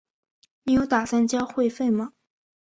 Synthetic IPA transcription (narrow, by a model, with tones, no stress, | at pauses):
ni˨˥jo˧˥ʊt̪a˨˩sa˥˩nt͡ɕjɑ˥ʊxwe˥˧ɪfe˥˩ɪmɐ˨